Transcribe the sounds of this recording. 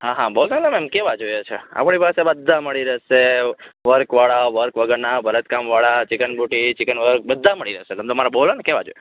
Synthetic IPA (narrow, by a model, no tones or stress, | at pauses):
ɦãɦãbəɦusaləmɛmkeʋad͡ʒojot͡ʃʰea̰pɳipasebəd̪ʱːaməɭiɾəɦʃeʋəɾkʋaɭaʋəɾkʋəɡəɾnabʱəɾət̪kamʋaɭat͡ʃɪkənbʱuʈit͡ʃɪkənʋəɾk̚bəd̪ʱːaməɭiɾəɦʃeəmt̪əmaɾabolonekeʋa̰d͡ʒo̰jo